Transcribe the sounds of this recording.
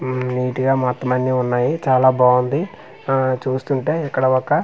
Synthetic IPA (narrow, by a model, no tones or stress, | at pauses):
niːʈiɡaːmaːt̪ːɐmɐnːiːunːaːjit͡ʃaːlaːbaːund̪i | t͡ʃuːst̪uɳʈe̞ːikːɐɽɐɔkːɐ